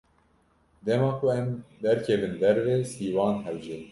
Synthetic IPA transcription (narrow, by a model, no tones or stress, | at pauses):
d̪ɛmɑːkʰoɛmd̪ɛɾkʰɛvɨnd̪ɛɾvesiːwɑːnɦɛld͡ʒɛn